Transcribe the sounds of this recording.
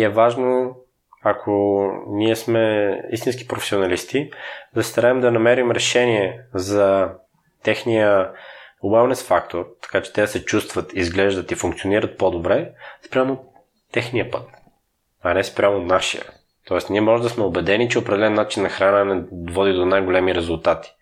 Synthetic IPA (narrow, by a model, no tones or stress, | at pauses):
ɛvaʒno | akʰoniɛsmɛḭst̪inski̥pɾofɛ̥sionɐlist̪id̪ɐsi̥st̪ɐɾaɛmd̪ɐnɐmɛɾimɾɛʃɛniɛzɐ | t̪ɛxnijə | wɛlˠnɛsfakt̪oɾt̪ɐ̥kat͡ʃɛ̥t̪ɛəsɛt͡ʃust̪vət̪izɡlɛʒd̪ət̪ifuŋkt̪sioniɾət̪̚pod̪obɾɛspɾʲamo | t̪ːɛxnijəpət̪ | ɐnɛspɾʲamonaʃḭə̰ | t̪ɔɛst̪niɛmɔʒɛd̪ɐsmɛobɛd̪ɛnit͡ʃɛopɾɛd̪ɛlɛnːat͡ʃinːɐxɾanənɛd̪vɔd̪id̪onajɡolɛmiɾɛzʊlˠt̪at̪i̥